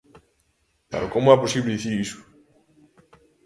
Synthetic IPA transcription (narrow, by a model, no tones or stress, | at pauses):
ka̰ɾokomoaposiβleðiθiɾisʊ̥